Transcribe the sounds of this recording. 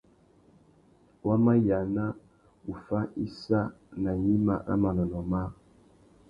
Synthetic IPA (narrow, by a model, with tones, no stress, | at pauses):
wa˦ma˦ja˨na˦ | u˨fa˦i˦sa˦na˨ɲi˦ma̰˨ɾa̰˦ma˨na˨nɔ˨ma˦